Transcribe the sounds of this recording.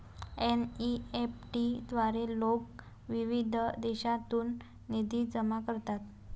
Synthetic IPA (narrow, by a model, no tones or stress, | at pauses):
eniepʈid̪ʋaɾelok | ʋiʋid̪ʱd̪ɛɕat̪uːnː | id̪ʱiːd͡zəmakəɾt̪at̪